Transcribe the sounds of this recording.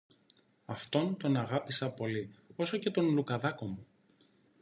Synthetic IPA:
ɐft̪o̞nt̪o̞nɐɣɐpisɐpo̞lio̞so̞ce̞t̪o̞nlukɐðɐko̞mu

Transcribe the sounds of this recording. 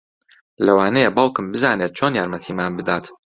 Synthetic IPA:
lɐwaːnejebaːwkɨmbɨzaːnet̪̚t͡ʃʰoːnjaːɾmɐt̪ʰiːmaːnbɨd̪aːt̪

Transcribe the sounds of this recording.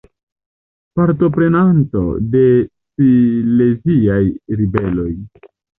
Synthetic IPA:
paɾto̞pɾe̞nanto̞̰de̞ | sile̞ziajɾibe̞lo̞j

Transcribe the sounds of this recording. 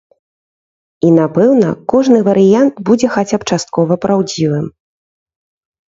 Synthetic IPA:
inapɛwnɐkɔʐnɨvɐɾɨjant̪bud͡zʲɛxat͡sʲap̚t͡ʂast̪̚kɔvɐpɾʔawd͡zʲivɨm

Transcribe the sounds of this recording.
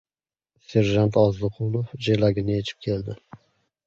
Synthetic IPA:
se̞ɾʒant̪ʰɒzɨqʰʊlˠofd͡ʒelaɡʲɪnɪjet͡ʃʰɪ̥p̚kʲʰe̞ld̪ɪ

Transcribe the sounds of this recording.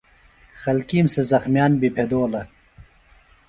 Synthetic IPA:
xɐlkiːmsezɐxmjaːnbipʰed̪oːlɐ

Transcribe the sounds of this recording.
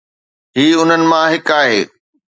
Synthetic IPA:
ɦiːʊn̤ənɪ̆mãɦɪkaːɦeː

